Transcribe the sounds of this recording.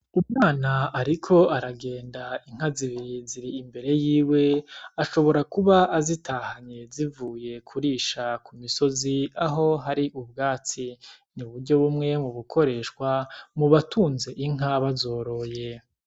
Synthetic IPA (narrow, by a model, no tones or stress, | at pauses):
umŋaːnaːɾikʰo̞aɾaɡe̞ːndaiŋ̥aziβiɾiziɾiːmbe̞ɾe̞jiːwe̞aʃo̞βo̞ɾakuβaʔːzitʰahaɲe̞zivuːje̞kʰuɾiːʃakumiso̞ziaɦo̞ɦaɾiʔubɡaːt͡si | niβuɾɟo̞βumŋe̞muβukʰo̞ɾe̞ːʃkwamuβatʰuːnze̞ʔiŋ̥aβazo̞ːɾo̞je̞